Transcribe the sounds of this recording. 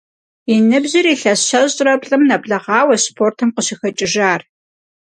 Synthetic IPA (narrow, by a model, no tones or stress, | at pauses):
inɨbʑɪriːɬɐɕɐʑʼrɐpɬʼɨmnɐbɮɐʁɑːwɐspʰoːrtʰɨmqəɕɪxɐt͡ʃʼɪʒaːr